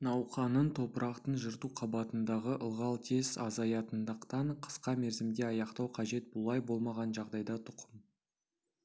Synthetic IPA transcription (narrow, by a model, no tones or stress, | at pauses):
nɑwqɑnənt̪ʰo̞pəɾʔɑqt̪ənʒəɾt̪uqʰɑbɑt̪ənd̪ɑʁəʔəlˠʁɑlˠt̪ʰe̞zɑ̰zɑjɑt̪ənd̪əqt̪ɑɴqʰə̥sqɑme̞ɾzɪmd̪e̞ɑjɑqt̪ɑwqʰɑʒe̞t̪̚bʊlˠɑjbo̞lˠmɑʁɑnʒɑʁd̪ɑjd̪ɑt̪ʰʊ̥qʰəm